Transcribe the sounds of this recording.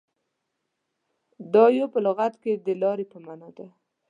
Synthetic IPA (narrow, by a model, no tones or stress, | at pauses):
d̪ɑjopəlʊɣat̪ked̪əlɑɾepəmanɑd̪a